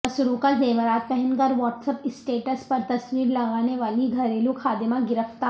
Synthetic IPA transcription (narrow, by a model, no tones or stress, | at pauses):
ɐsʊɾõkazeːʋəɾaːt̪̚pɛɦɛ̃nkɐɾʋɔːʈsəpɪsʈeːʈəspɐɾt̪ɐsʋiːɾlɐɡaːneʋaːliɡʱɐɾeːluxʰaːd̪ɪmãɡɪɾəft̪aː